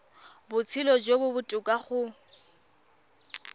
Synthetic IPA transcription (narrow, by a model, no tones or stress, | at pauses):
bʊt͡sʰilɔd͡ʒobʊbʊtʼʊkʼaχʊ